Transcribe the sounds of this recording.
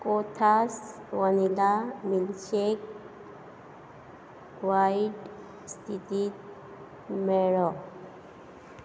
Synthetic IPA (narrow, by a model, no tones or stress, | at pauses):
kʼot̪ʰaswanilamilt͡ʃek | wajiɖ | st̪ʰit̪it̪̚ | meɾɔ